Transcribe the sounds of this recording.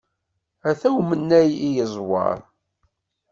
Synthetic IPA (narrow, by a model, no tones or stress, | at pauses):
æθæwmənːæjijəzˤwɑ̰ɾˤ